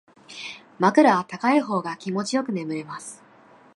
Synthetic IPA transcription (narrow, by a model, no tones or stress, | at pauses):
makɯ̟ɾaβat̪akaiɦo̞ːɡakʲimo̞t͡ɕijo̞kɯ̟ne̞mɯ̟ɾemasɨ̥